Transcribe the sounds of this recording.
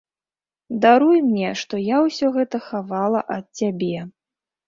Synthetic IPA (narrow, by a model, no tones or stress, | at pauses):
d̪aɾujmnʲɛʂt̪ɔjawsʲɔɣɛt̪ɐxavalˠɐʔɐt̪̚t͡sʲabʲɛ